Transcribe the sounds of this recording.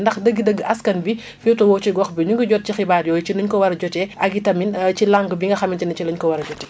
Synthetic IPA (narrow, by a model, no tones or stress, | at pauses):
ndɐxdəɡːidəɡːəɐskɐnbi | fiwtɔwɔt͡ʃiɡɔxbiɲuŋɡuɟɔt̚cixibaːɾjɔːjt͡ʃinuɲkɔwɐɾɐɟɔtɛʔɐɡitɐmint͡ʃilaŋɡbiŋɡɐxɐmint͡ʃinɐcilɐɲkɔwɐɾɐd͡ʒɔtɛ